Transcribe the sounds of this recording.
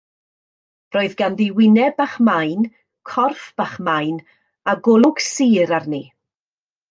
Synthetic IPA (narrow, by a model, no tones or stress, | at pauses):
roːɨðɡanðiwɪnɛbaχmajn | kʰɔrfb̥aχmajn | aɡʊlˠʊɡ̥siːɾarni